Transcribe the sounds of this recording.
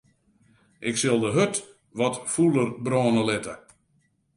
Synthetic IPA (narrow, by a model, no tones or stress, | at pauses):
ʔɪksɪlˠdəɦøt | ʋɔtfulˠərbrɔːnəlɪtə̰